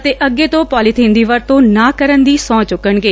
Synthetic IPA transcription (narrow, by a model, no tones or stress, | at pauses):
ət̪eːʔəɡːeːt̪õːpɔːliːt̪ʰĩːnd̪iːʋəɾt̪õːnaːkəɾənd̪iːsɔ̃ːt͡ʃʊkːəɳɡeː